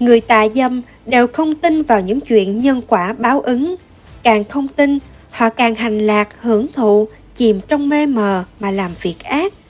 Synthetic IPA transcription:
ŋɨ˨˩əjt̪a̰ː˧˨jzə˧m | ɗe˨˩wxə˧wŋ͡mt̪i˧nvaː˨˩wɲɨ̰˧˥ŋt͡ɕwḭ˧˨ənɲə˧nkwaː˧˩ɓaː˨˦wʔɨ˨˦ŋ | kaː˨˩ŋxə˧wŋ͡mt̪i˧n | hɔ̰˧˨kaː˨˩ŋɦa˨˩jŋ̟laː˨˩k̚hɨ˧˩əŋt̪ʰṵ˧˨ | t͡ɕi˨˩mt͡ɕɔ˧wŋ͡mme˧məː˨˩maː˨˩laː˨˩mvi˨˩ək̚ʔaː˦˥t̚

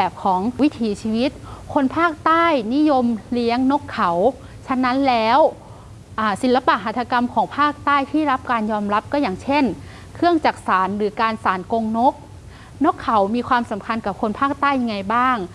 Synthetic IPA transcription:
ɛː˨˩p̚kʰɔː˩˦ŋwi˦˥t̪ʰiː˩˦t͡ɕʰiː˧wi˦˥t̪̚kʰo˧npʰaː˥˩k̚t̪aː˥˩jni˦˥˨jo˧mli˧əŋno˦˥kʰːa˨˩˦w | t͡ɕʰa˧na˦˥nlɛː˦˥w | ʔaː˧˩si˨˩˦nla˧pa˨˩ʔɦaː˨˩t̪ʰːa˧ka˧mkʰɔː˩˦ŋpʰaː˥˩k̚t̪aː˥˩jt̪ʰiː˥˩la˦˥p̚kaː˧njɔː˧mɾa˦˥p̚kɔː˥˩jaː˨˩ŋt͡ɕʰe˥˩n | kʰɯ˥˩əŋt͡ɕaː˨˩k̚saː˩˦nɾɯː˩˦kaː˧nsaː˩˦nko˧ŋno˦˥k̚ | no˦˥kʰːa˨˦wmiː˧kʰwaː˧msa˩˦mkʰa˧nka˨˩p̚kʰo˧npʰaː˥˩k̚t̪aː˥˩jːa˧ŋːa˧jbaː˥˩ŋ

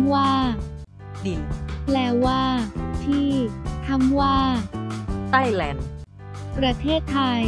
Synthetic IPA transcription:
mwaː˥˩ | di˨˩lɛː˧˩waː˥˩t̪ʰiː˥˩t̪ʰa˧˥mwaː˥˩ | t̪a˥˩jlɛ˧˥n | pɾa˧t̪ʰeː˥˩t̪ʰːa˧j

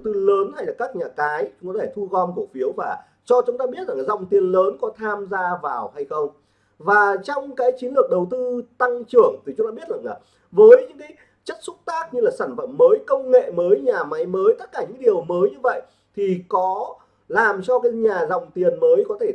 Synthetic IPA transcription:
wt̪ɨ˧ləː˨˦nha˧jlaː˨˩kaː˦˥k̚ɲaː˨˩kaː˨˦jt͡ɕʊ˨˦ŋ͡mkɔ˨˧t̪ʰeː˧˩t̪ʰu˧ɣɔ˧nku˧˩əfi˨˦əwvaː˨˩ | t͡ɕɔ˧t͡ɕʊ˨˦ŋ͡mt̪aː˧ɓi˦˥ət̚za˨˩ŋa˨˩zɔ̰˧˨ŋ͡mt̪i˨˩ənləː˨˦nkɔ˨˦t̪ʰaː˧mzaː˧vaː˨˩wha˧jxə˧wŋ͡m | vaː˨˩t͡ɕɔ˧wŋ͡mkaː˨˦jt͡ɕi˨˦nlɨ˨˩ək̚ɗə˨˩wt̪ɨ˧t̪a˧ŋt͡ɕɨ˧˩əŋt̪ʰi˨˩t͡ɕʊ˨˦ŋ͡mt̪aː˧ɓət̚za˨˩ŋlaː˨˩ | vəː˨˦jɲɨ̰˧˥ŋkaː˨˦j | t͡ɕə˦˥t̚sʊ˦˥t̚t̪aː˦˥k̚ɲɨ˧laː˨˩saː˧˩nfə̰˧˨mːəː˨˦jkə˧wŋ͡mŋḛ˧˨məː˨˦jɲaː˨˩ma˨˦jməː˨˦jt̪ə˦˥t̚kaː˧˩ɲɨ̰˧˥ŋɗi˨˩əwməː˨˦jɲɨ˧və̰˧˨j | t̪ʰi˨˩kɔ˨˦ | laː˨˩mt͡ɕɔ˧kaː˨˦jɲaː˨˩zɔ̰˧˨wŋ͡mt̪i˨˩ənməː˨˦jkɔ˨˦t̪ʰe˧˩

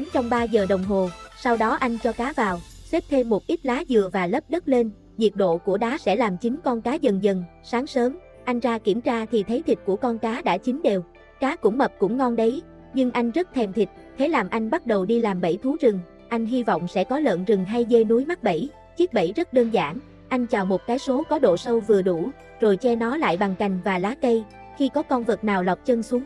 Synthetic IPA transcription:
t͡ɕɔ˧wŋ͡mɓaː˧zəː˨˩ɗə˨˩wŋ͡mɦo˨˩sa˧wɗɔ˨˦ʔa˧jŋ̟t͡ɕɔ˧kaː˨˦vaː˨˩wse˦˥p̚t̪ʰe˧mːo˨˩t̚ʔi˦˥t̚laː˨˦zɨ˨˩əvaː˨˩lə˦˥p̚ɗə˦˥t̚le˧n | zi˨˩ət̚ɗo̰˧˨ku˧˩əɗaː˨˦sɛ̰˧˥laː˨˩mt͡ɕï˨˦ŋ̟kɔ˧nkaː˨˦zə˨˩nzə˨˩n | saː˨˦ŋsəː˨˦m | ʔa˧jŋ̟zaː˧ki˧˩əmt͡ɕaː˧t̪ʰi˨˩t̪ʰə˨˦jt̪ʰi˨˩t̚ku˧˩əkɔ˧nkaː˨˦ɗa̰ː˧˥t͡ɕï˨˦ŋ̟ɗe˨˩w | kaː˨˦kʊ̰˧˥ŋ͡mmə˨˩p̚kʊ̰˧˥ŋ͡mŋɔ˧nɗə˨˦j | ɲɨ˧ŋʔa˧jŋ̟zə˦˥t̚t̪ʰɛ˧˩mt̪ʰï˨˩k̚t̪ʰe˨˦laː˨˩mʔa˧jŋ̟ɓa˦˥t̚ɗə˨˩wɗi˧laː˨˩mɓə̰˧˩jt̪ʰu˨˦t͡ɕɨ˨˩ŋ | ʔa˧jŋ̟ɦi˧vɔ̰˧˨wŋ͡msɛ̰˧˥kɔ˨˦lə̰ː˧˨nzɨ˨˩ŋɦa˧jze˧nu˨˦jma˦˥t̚ɓə̰˧˩j | t͡ɕi˦˥ək̚ɓə̰˧˩jzə˦˥t̚ɗəː˧nza̰ː˧˩n | ʔa˧jŋ̟t͡ɕaː˨˩wmo˨˩t̚kaː˨˦jso˨˦kɔ˨˦ɗo̰˧˨sə˧wvɨ˨˩əɗu˧˩ | zo˨˩jt͡ɕɛ˧nɔ˨˦la̰ː˧˨jɓa˨˩ŋka˨˩jŋ̟vaː˨˩laː˨˦kə˧j | xi˧kɔ˨˦kɔ˧nvə˨˩t̚naː˨˩wla˨˩wp̚t͡ɕə˧nsu˨˦ŋ

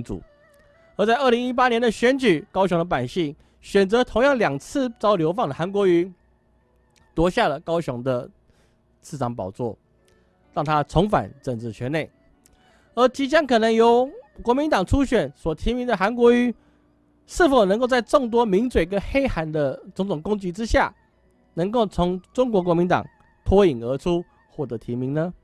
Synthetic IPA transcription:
t͡sṵ˨˩ | ə˞˧˥t͡sa˥˧ɪʔə˥˩li˧˥ŋi˦˥p̬a˦˥njɛ˧˥nd̪ə˨ɕɥɛ˧˥nt͡ɕy˨˩˦kɑ˥ʊɕjo˧˥ŋd̪ə˧pa˨˩nɕi˥˩ŋ | ɕɥɛ˨˩nt͡sɤ˧˦t̪ʰo˧˥ŋjɑ˥˩ŋljɑ˨˩ŋt͡s̩ʰ˥˨t͡sɑ˥ʊljo˧˥ʊfɑ˥˩ŋd̪ə˩a˧˥nk̬wɔ˧˥y˧˥ | t̪wɔ˧˥ɕja˥˩lə˩kɑ˥ʊɕjʊ˧˥ŋd̪ə˧ | t͡sʰɹ̩˥˩t͡sɑ˧˥ŋpɑ̰˨˩ʊt͡swɔ̰˥˩ | ɻɑ˥˩ŋt̪ʰa˥t͡sʰo˧˥ŋfa̰˨˩˦nt͡sə˨˩nt͡sɹ̩˨˩t͡ɕʰɛ˧˥˦ne˥˩ɪ | ə˞˧˥t͡ɕi˧˥t͡ɕjɑ˥nkʰɤ˨˩nə˧˥ŋjo˧˥ʊkwɔ˧˥mi˧˥nt̪ɑ˨˩ŋʈ͡ʂʰu˥ɕɥɛ˨˩nswɔ˨˩t̪ʰi˧˥mi˧˥ŋd̪ə˨xa˧˥nkwɔ˧˥y˧˥ | ʂɻ̩˥˩fo˨˩ʊn˧˦ŋko˥˧t͡sa˥˧ɪʈ͡ʂo˥˩ŋt̪̬wɔ˥mi˧˥nt͡swe˨˩ɡə˦xe˥ɪxa˧˥nd̪ə˧ʈ͡ʂo˧˥ŋt͡sʊ˨˩ŋkʊ˥ŋt͡ɕi˧˥ʈ͡ʂɻ̩˦ɕja̰˥˩ | nə˧˥ŋko˥˩ʊt͡sʰʊ˧˥ŋʈ͡ʂʊ˥ŋk̬wɔ˧˥k̬wɔ˧˥mi˧˥nt̪ɑ̰˨˩ŋ | t̪ʰwɔ˥i˨˩ŋə˧˥ʈ͡ʂʰu˦˥ | xwɔ˥˩t̪ə˧˦˥t̪ʰi˧˥mi˧˥ŋnə˧

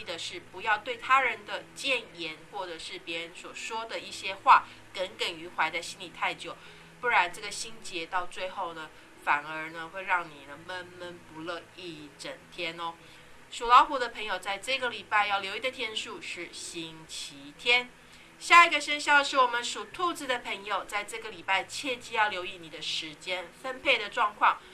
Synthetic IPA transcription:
i˥˧d̪ə˨ʂɻ̩˥˩pu˧˥jɑ˥˧ʊt̪we˥˩ɪt̪ʰa˥ɻə˧˦nd̪ə˧t͡ɕjɛ˥˩njɛ˧˥nxwɔ˥˩ʈ͡ʂə˨˩ʂɻ̩˥˩pjɛ˧˥ɻə˧˦nswɔ˨˩ʂwɔ˥d̪ə˨i˥˩ɕjɛ˥xwa˥˩ | kə˧˥nkə˨˩ny˧˥xwa˧˥ɪt͡sa˥˩ɪɕi˥nli˨˩t̪ʰa˥˩ɪt͡ɕjo˨˩ʊ | pu˥˩ɻa˧˦nʈ͡ʂɤ˥˩ɡə˩ɕi˥nt͡ɕjɛ˧˥t̪ɑ˥˧ʊt͡swe˥˧ɪxo˥˩ʊnə˩ | fa˨˩nə˞˧˥nə˧xwe˥˧ɪɻɑ˥˩ŋnḭ˨˩nə˦mə˥nmə˥npu˧˦lə˥˧i˥˩ʈ͡ʂə˨˩ŋt̪ʰjɛ˥nɔ˦ | ʂu˨˩lɑ˧˥ʊxu˧˥ɾə˧pʰə˧˥ŋjo˨˩ʊt͡sa˥˧ɪʈ͡ʂɤ˥˩˧ɡə˩li˨˩pa˥˧ɪjɑ˥˩ʊljo˧ʊi˧˩d̪ə˨˩t̪ʰjɛ˥nʂu˥˧ʂɻ̩˥˩ɕi˥ŋt͡ɕʰi˧˥˦t̪ʰjɛ˥n | ɕja˥˩i˨˧ɡə˩ʂə˥nɕjɑ˥˩ʊʂɻ̩˥˩wɔ˨˩mə˦nʂu˨˩t̪ʰu˥˧t͡sɹ̩˧˩d̪ə˨pʰə˧˥ŋjo˨ʊt͡sa˥˧ɪʈ͡ʂɤ˥˩ɡə˩li˨˩pa˥˧ɪt͡ɕʰjɛ˥˧t͡ɕi˥˧jɑ˥˩ʊljo˧˥ʊi˧˩ni˨˩d̪ə˦ʂɻ̩˧˥t͡ɕjɛ˥nfə˥npʰe˥˩ɪd̪ə˩ʈ͡ʂwɑ˥˧ŋkʰwɑ˥˩ŋ

